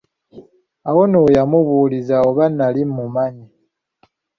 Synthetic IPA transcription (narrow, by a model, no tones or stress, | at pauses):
awo̞noːjamuβuːlizaoβanalimumaɲi